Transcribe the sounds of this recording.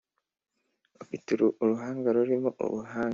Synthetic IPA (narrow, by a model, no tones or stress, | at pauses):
opituɾuʔuɾuɦaːŋɡaɾuɾimoʔṵβuɦaː